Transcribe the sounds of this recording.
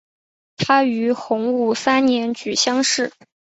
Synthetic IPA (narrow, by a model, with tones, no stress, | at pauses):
t̪ʰa˥y˧˥xʊ˧˥ŋu˥˩sa˥nnjɛ˧˥nt͡ɕy˨˩ɕjɑ˥ŋʂɻ̩˥˩